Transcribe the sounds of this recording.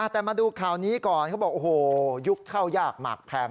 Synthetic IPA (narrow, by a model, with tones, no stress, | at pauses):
ʔa˧˩t̪ɛː˨˩maː˧duː˧kʰaː˨˩wniː˦˥kɔː˨˩nkʰa˦˥wbɔː˨˩kʔoː˨˩hoː˨˧ju˦˥kʰːa˥˩wjaː˥˩k̚ma̰ː˨˩k̚pʰɛː˧m